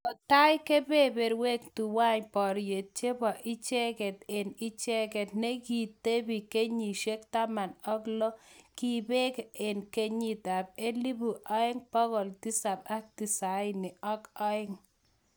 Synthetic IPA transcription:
ɔ˨ta˦jke˦be˦be˨ɾwe˦ktu˨wa˦ɲpɔ˨ɾje˨t̚t͡ʃe˦bɔ˨ʔɪ˦t͡ʃɛ˦kɛ˨t̪e˨nɪ˦t͡ʃe˦kɛ˨t̪̚nɛ˦ɡi˨t̪ːe˦bi˨ke˦ɲi˨ʃe˦kt̪a˦ma˨nɔ˦klɔ˦ki˨be˦ke˨nke˦ɲi˦ta˨p̚e˦li˦bu˨ʔɔ˦ɪ˦ŋpɔ˦ɣɔ˨lti˦sa˨ba˦k̚ti˨sa˨˦ɪ˦nɪ˨ʔɔ˦kɔ˦ɪ˦ŋ

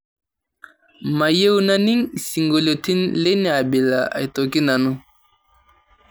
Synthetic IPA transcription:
ma˨je˦wu˦na˦ni˦ŋsi˨ŋɡo˨lo˨tʰi˦nle˦nɛ˨a˨bi˨la̰˨a̰˨jto˨ki˦na˨nu˦

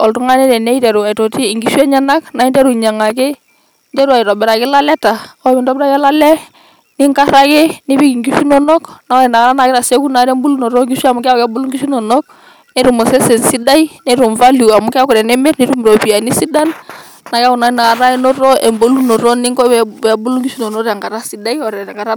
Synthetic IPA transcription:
ɔ˨ltu˦ŋa˦nɛ˦ɾɛ˨nɛ˦i˦tɛ˨ɾu˨a˨i˨tɔ˨ti˦˨ŋɡi˦ʃu˦ɛ˦ɲa˦na˦kna˨˦i˦ndɛ˦ɾu˨ɲa˨ŋa˨ke˦ | ndɛ˦ɾu˦a˨i˨ɾɔ˨bɛ˨ɾa˨kɪ˦la˦lɛ˦ta˨ɔ˦mɛ˨ndɔ˦bɛ˦ɾa˦kɛ˦la˦lɛ˦ | ni˦ŋka˦ɾa˦ke˦ni˦bi˦ki˨ŋɡi˦fi˦nɔ˦nɔ˦kna˦ɔ˦ɾɛ˨na˨ɣa˨ɾa˦na˨kɪ˦ɾa˨se˦ku˦na˨ɾɛ˦mbu˦lu˦nɔ˨ɾɔ˦ŋɡi˦ʃa˨mu˦ka˦kɛ˦bo˦lu˦ŋɡi˦si˦nɔ˨nɔ˦k̚ | ne˦ɾu˨mɔ˨sɛ˦sɛ˨nsi˦da˦i˦nɛ˦ɾu˨ɱva˦lu˨a˨mʊ˦ka˦kɔ˨ɾɛ˨nɛ˦mɛ˦ɾni˦ɾu˦m˨ɾo˨pi˨a˨ni˦si˦da˦nː | a˨ka˦ku˨na˨˦na˨a˨ɾa˦i˦nɔ˦ɾɔ˦ɛ˨mbo˦lu˦no˨ɾɔ˦ni˦ŋkɔ˦ɛ˨bu˦lu˦ŋɡi˦ʃi˦no˨nɔ˦ɾɛ˨ŋɡa˨ɾa˦si˨˦da˦i˦ɔ˨ɾɛ˨ŋɡa˨ɾa˦

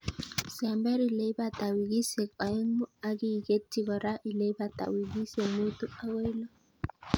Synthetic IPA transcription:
sambɛ˦ɾile˦jbat̪a˨wi˨ɡi˦se˨ka˨i˦mu˦a˦ɡi˦ɡe˦tːiɡɔ˨ɾa˦ʔi˨le˦bat̪a̰˨wi˨ɡi˦se˨mu˦t̪u˦a˦we˦lɔ˦

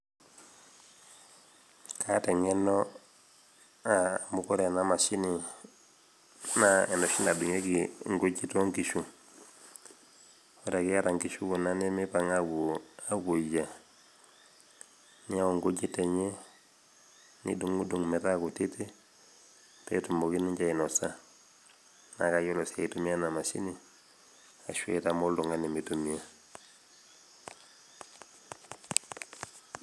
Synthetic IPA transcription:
kʰa˦te˨ŋe˦no˦ | amuko˦ɾe˨na˦ma˨si˦ni˨ | nae˨no˨ʃi˦na˨du˨ŋe˦ɡiŋɡo˦ɟi˦to˦ŋki˨ʃu˨ | wo˦da˨ki˦a˦ɾa˨ŋki˨ʃu˦ku˨na˦ne˦mi˦pa˨ŋa˦ɡua˦ɡu˨d͡ʒa˨ | nia˦wo˨ŋɡo˦ɟi˦te˨ɲe˦ | nḭ˦duŋu˦duŋme˨ɾakuti˦te˦ | tḛtumboki˦niɲɟa˦ino˨sa | na̰kajo˦losaitumia˦namasḭ˦ni | a̰˨ʃu˦e˨tamo˦ldu˨ŋani˨mitumia

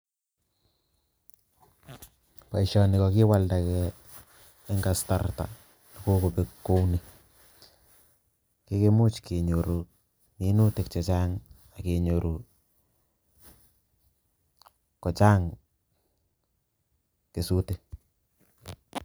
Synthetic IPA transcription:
pa˨iʃɔ˨nɪ˨kɔki˦waldakɛː˦ | ŋɡasta̰rta̰ | la˨ko˦ko˨pe˦kːo˦wne | ke˦kemu˦t͡ʃkʰe˨ɲoɾu˨ | ni˨˦nu˦te˨k̚t͡ʃa˨t͡ʃa˦ŋ | a˨ke˨ɲo˨ɾu˨ | kɔ˨t͡ʃa˦ŋ | ke˨su˦te

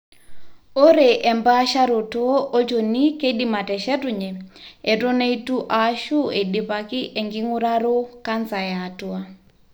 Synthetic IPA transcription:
o˦ɾe˨ʔɛ˨mba˦ʃa˦ɾu˨tu˦o˦ʔo˦t͡ʃo˨ni˦ke˦ɗi˦ma˨tɛ˨ʃɛ˦tu˨ɲɛ˨ɛ˨do˦ne˦i˦tu˦ʔa˦ʃu˦e˨di˨pa˨ki˦ʔe˨ŋɡi˦ŋu˦ɾaɾo˦ka˦nsa˨ja˨tua˦

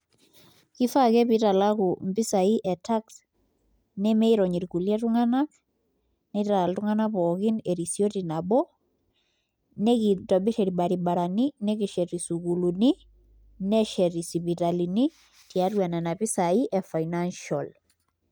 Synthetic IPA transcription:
ki˦fakɛ˦pi˨ta˨la˦kʊ˨mbi˦sa˨i˦ʔɛ˨ta˦ks | nɛ˦me˦i˦ɾɔɲi˨ɾku˨lja˦tuŋana˦k̚ | nɛ˦ta˨a˨ltʊŋa˦na˦pɔkɪne˨ɾisjo˦tina˨bɔ˦ | nɛ˦kitɔbi˦ʃɛ˨ɾi˨baɾiba˨ɾaninɛ˦ki˨ʃɛ˨ɾisuku˨luni˦ | nɛ˦ʃɛ˨ɾi˨si˨pi˨ta˨lini˦ | ti˨a˦twa˨nɛ˨na˨pi˦sa˨i˦ʔɛfa˨inanʃɔ˨l

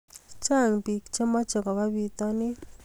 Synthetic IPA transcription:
t͡ʃa˦˨ŋpi˨kt͡ʃe˦ma˦t͡ʃɔ˨kɔ˨wa˦wi˦t̪ɔ˦nɪ˦

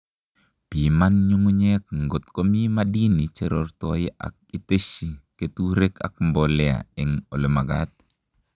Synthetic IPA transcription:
pi˨manɲu˦mu˦ɲe˦k̚ŋɡo˨t̪ko˦mi˦madi˦ni˨t͡ʃeɾɔrtɔjʔa̰˨k̚i˦te˦ʃi˨ketuɾe˦ka̰˨k̚mbɔlɛa̰ɛŋo˨le˨ma˨ɡat̪̚

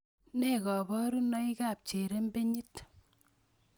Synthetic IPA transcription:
ne˦˨kɔ˨bɔ˦ɾu˦nɔ˦i˦ka˨p̚t͡ʃe˨ɾe˦mbe˦ɲi˦t

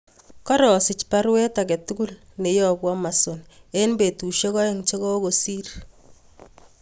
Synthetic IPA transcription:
kɔ˦ɾɔ˨sɪ˨t͡ʃpa˦ɾwɛ˦ta˨kɛ˨tu˦ku˦l | ne˨jɔ˨bwɔ˦ma˨so˨ne˦nbe˨tu˨ʃɔ˦kɔ˦e˦ŋt͡ʃɔ˦kɔ˦ko˨si˦r

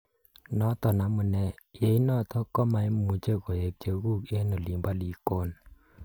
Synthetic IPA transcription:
nɔ˨˦t̪ɔ˨na˨˦mu˨nɛ˧˨je˨˦jnɔ˦˨t̪ʰɔ˦kːɔ˦˨ma˧˦jmu˨t͡ʃe˦kɔ˨e˨k̚t͡ʃe˨˧ɡu˦˨ke˦nɔ˨li˨mba˦˨li˨ko˦˨n

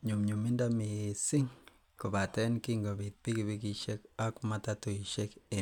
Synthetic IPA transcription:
ɲu˨mɲu˨mi˦nda˦mi˨si˦ŋ | ku˨βa˨te˦nki˦ŋɡo˨βi˨pi˦ki˨βi˦kiʃe˦ka˦ku˦ma˨ta˦tu˨i˨ʃe˦ke˨

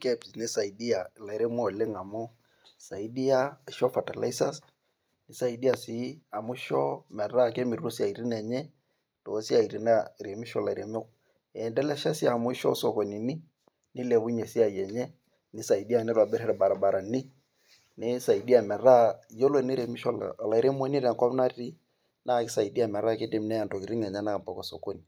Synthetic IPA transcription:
kɛ˦˨pi˨snɪ˦sa˨i˨di˦a˨la˨i˨ɾe˦m˦ɔ˦˨lɪ˦ŋa˨mʊ˦ | sa˨i˦di˦a˦˨ʃɔ˦fa˨ta˨la̰˦i˦sa˦s | nɪ˨sa˨i˨˦di˦a˨si˨˦a˨mʊ˦ʃɔ˦mɛ˨ra˦ke˦mi˨ɾu˦si˦a˨i˨ɾi˦nɛ˨ɲɛ˦ | to˨˦si˦a˨i˨ɾi˨na˦˨ɾe˨mi˦ʃɔ˦la˨ɾe˦mo˦k | ɛ˨ndɛ˦lɛ˦ʃa˦si˦a˨mʊ˦ʃɔ̰˦sɔ˨ko˨ni˨ni˦ | nɪ˦le˨bu˦ɲe˨si˦a˨jɛ˨ɲɛ˦ | nɪ˦sa˨i˨di˦a˦˨nɛ˦ɾwa˨bɛ˦ɾɛ˦ɾɛ˨ba˨ɾa˨ba˨ɾa˨ni˦ | ni˦sa˨i˨di˦a˨mɛ˨ra˦jo˦lo˦˨ni˦ɾe˨mi˦ʃɔ˨l̰la˨i˨ɾʔe˦mo˦ni˦ɾɛ˨kwa˦pna˦i˦ | na˦˨kɪ˦sa˨i˨di˦a˦˨mɛ˨ɾa˦ke˦de˨m˦nɛ˦a˨nto˨ki˨ɾi˦ŋɛ˨ɲa˦na˦˨mpɔ˦kɔ˨so̰˨ko˦ni˨

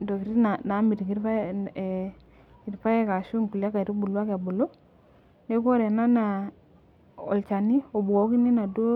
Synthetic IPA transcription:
ndo˨ki˨ɾi˦na˨na˨˦mi˨ti˨ki˦a˦˨ | ki˨ɾpa˦je˦ka˨ʃu˦ŋku˨li˦a˦ka˨ɾi˦bu˨lu˦a˦ka˨bu˨lo˦ | ne˦k̬o˦ɾe˨na˦na˨ | ɔ̰˨lt͡ʃa˨ni˦o˨bu˨ko˨˦ki˦ni˦na˨do˦

